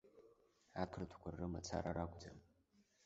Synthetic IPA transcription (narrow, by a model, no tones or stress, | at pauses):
atʰɨrtʰkʷʰarːɨmat͡sʰa̰ɾaɾaɡʷd͡zam